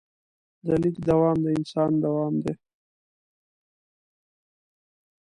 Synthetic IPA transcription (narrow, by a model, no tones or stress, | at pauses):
d̪alikd̪awɑːmd̪əɪnsɑːnd̪awɑːmd̪e